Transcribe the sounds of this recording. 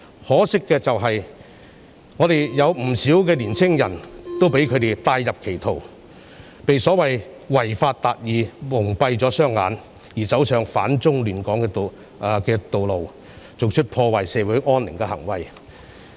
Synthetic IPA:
hɔː˨˥sɪ˥kːɛː˧t͡sɐ˨wɦɐ˨j | ŋɔː˨˧ɾe˨˩jjɐ˨˧wm̩˨˩siː˨˥wkɛː˧liː˨˩nt͡sʰɪ˥ŋjɐ̰˨˩nt̪o˥wpe˨˥jkʰɵ˨˧ɥt̪e˨jt̪aː˧jːɐ˨p̚kʰe˨˩jt̪ʰo˨˩w | pe˨jsɔː˨˥wɐ˨j | wɐ˨˩jfaː˧t̚t̪aː˨t̚jiː˨˧mʊ˨˩ŋpɐ˧jt͡sɔː˨˥sœː˥ŋːa̰ː˨˧n | jiː˨˩t͡sɐ˨˥wsœː˨ŋfa̰ː˨˥nt͡sʊ˥ŋlyː˨˩nkɔː˨˥ŋkɛ˧t̪ː | kɛː˧t̪o˨wlo˨w | t͡so˨wt͡ʃʰɵ˥t̚pʰɔː˧waː˨˩jsɛː˨˧wu˨˥jʔɔː˥nlɪ˨˩ŋkɛː˧hɐ̰˨˩ŋwɐ̰˨˩j

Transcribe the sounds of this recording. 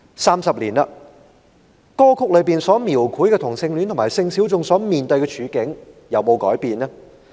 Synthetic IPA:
saː˥msɐ˨p̚liː˨˩nɐ˧ | kɔː˥kʰʊ˥k̚lɵ˨˧ɥpiː˨nsɔː˨˥miː˨˩wkʰuː˨˥jkɛː˧t̪ʰʊ˨˩ŋsɪ˧ŋly˨˥nt̪ʰʊ˨˩maː˨˩jsɪ˧ŋsiː˨˥wt͡sʊ˨˧ŋsɔː˨˥miː˨nt̪ɵ˧ɥkɛː˧t͡ʃʰyː˨˧kɪ˨˥ŋ | jɐ˨wmo˨˧wkɔː˨˥jpiː˨nɛ˥

